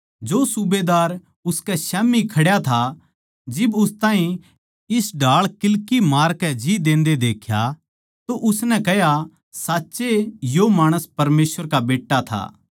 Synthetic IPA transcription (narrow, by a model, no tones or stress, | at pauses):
d͡ʒoːsʊbeːd̪aːɾ | ʊskɛsɛːmikʰɐɽjat̪ʰa | d͡ʒɪbʊst̪ãːɦĩ | ɪsɖʱaːɭkɪlkimaːɾkɛd͡ʒid̪ẽːnd̪ed̪eːkʰja̰ | t̪oʔʊsnɛ̃kɛja | saːtːʃejomaːɽ̃əspɐɾmeːsʋəɾkabeːʈːat̪ʰa̰ː